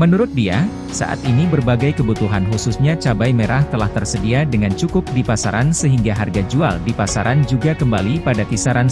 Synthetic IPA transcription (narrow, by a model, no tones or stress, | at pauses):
mənuɾʊt̪̚dia | sa̰ʔa̰t̪inibərbaɡajkəbut̪uɦanɦususɲat͡ʃabajmeɾaht̪əlaht̪ərsədiadəŋant͡ʃukʊp̚dipasaɾansəɦiŋɡaɦarɡad͡ʒua̰ldipasaɾʔand͡ʒuɡakəmbalipadapisaɾan